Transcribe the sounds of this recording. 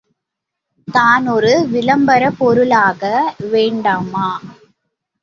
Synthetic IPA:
t̪aːnɔɾɯʋɪlɐmbɐɾɐpɔɾɯlaːɣɐʋeːɳɖaːmaː

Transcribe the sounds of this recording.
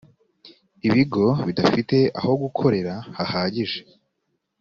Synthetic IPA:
iβiɡo̞βidafite̞a̰ho̞ɡukʰo̞ɾe̞ɾahahaːɟiʒe

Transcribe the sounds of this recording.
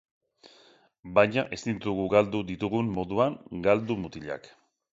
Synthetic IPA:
bajɲaʔe̞st̪int̪uɣuɡald̪uðit̪uɣumːo̞ðuaŋɡald̪umut̪iʎa̰k

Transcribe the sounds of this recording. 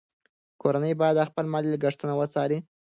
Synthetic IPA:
koɾanəjbɑjad̪axpəlmɑllaɡaʂt̪unawət͡sɑɾi

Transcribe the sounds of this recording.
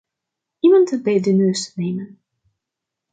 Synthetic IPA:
imɑntəbeːdənøːsneːmən

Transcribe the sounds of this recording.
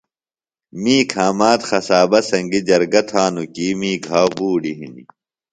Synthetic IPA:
miːkʰaːmaːt̪xɐsaːbɐsɐŋɡid͡ʑɐɾɡɐt̪ʰaːnukiːmiːkɦaːbuːɖiɦḭnḭ

